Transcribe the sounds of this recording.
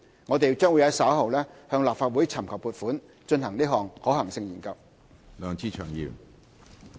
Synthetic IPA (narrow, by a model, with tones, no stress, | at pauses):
ŋɔː˨˧t̪e˨jt͡ʃœː˥ŋwu˨˧jhɐ˨˥jsɐː˨˥wɦɐ˨wlɛː˥hœː˧ŋlaː˨p̚faː˧t̚wu˨˥jt͡sʰɐ˨˩mkʰɐ˨˩w̚puː˨˩t̚fuː˨˥n | t͡ʃɵ˧nhɐ˨˩ŋniː˥ɦɔː˨˩ŋhɔː˨˥hɐ˨˩ŋsɪ˧ŋjiː˨˩nkɐ˧w | lœː˨ŋt͡siː˧˥t͡ʃʰœː˨˩ŋjḭː˨˩m